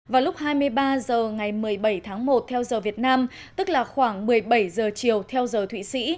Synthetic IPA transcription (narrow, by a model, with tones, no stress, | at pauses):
vaː˨˩wlʊ˦˥k͡p̚haː˧jmɨ˧əjɓaː˧zəː˨˩ŋa˨˩jmɨ˨˩əjɓə˧˩jt̪ʰaː˨˦ŋmo˨˩t̚t̪ʰɛ˧wzəː˨˩vi˨˩ət̚naː˧m | t̪ɨ˦˥k̚laː˨˩xwaː˧˩ŋmɨ˨˩əjɓə˧˩jzəː˨˩t͡ɕi˨˩əwt̪ʰɛ˧wzəː˨˩t̪ʰwḭ˧˨sḭ˧˥